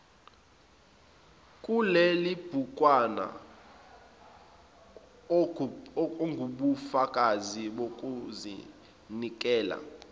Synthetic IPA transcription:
kʼulelib̥ʱukʼwana̰ | ŋɡʱuɓufakʼaziɓokʼuzḭ | nikʼɛːla̰

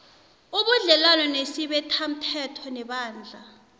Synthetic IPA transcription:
uɓuɮɛlalɔnesiɓɛtʰam̩tʰɛtʰɔnɛɓaːnd͡ɮʱa

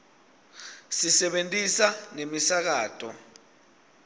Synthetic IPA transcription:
sisɛɓentʼisanemisak̬aːtʰʼɔ

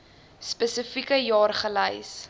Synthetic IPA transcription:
spəsəfikəjɑːrχələjs

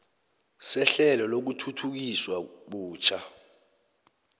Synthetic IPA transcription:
sɛɬɛlɔlok̬utʰutʰuk̬iswaɓuːt͡ʃʰa

